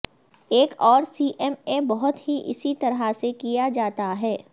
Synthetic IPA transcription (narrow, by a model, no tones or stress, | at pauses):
eːkɔːɾsiːʔɛmebɔɦʊt̪ɦiʔɪ̰sit̪ɐɾɦasekijad͡ʒaːt̪aɦɛː